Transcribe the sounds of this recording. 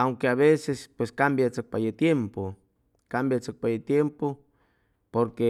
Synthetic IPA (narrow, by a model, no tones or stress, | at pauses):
awŋkeaβesespweskambjat͡sok̚pajet̪jempo | kambjat͡sok̚pajet̪jempo | poɾke